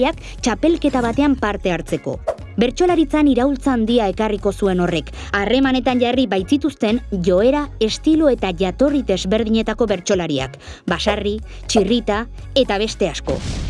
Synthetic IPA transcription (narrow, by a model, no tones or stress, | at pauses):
ak | t͡ʃape̞lke̞t̪aβ̞at̪e̞ampaɾt̪e̞aɾt͡se̞ko̞̰ | be̞ɾt͡ʃo̞laɾit͡saniɾawlt͡saːnd̪iae̞kariko̞sue̞no̞re̞k | are̞mane̞t̪anʝaribajt͡sit̪ust̪e̞nʝo̞e̞ɾae̞st̪iloe̞t̪aʝat̪o̞riðe̞zβe̞ɾðiɲe̞t̪ako̞βe̞ɾt͡ʃo̞laɾia̰k | basari | t͡ʃirit̪a | e̞t̪aβ̞e̞st̪e̞asko̞̰